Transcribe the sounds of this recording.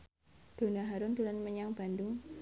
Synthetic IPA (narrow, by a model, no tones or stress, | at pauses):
d̪̥o̤naɦaɾʊnd̪ulanməɲaŋb̥a̤ndʊŋ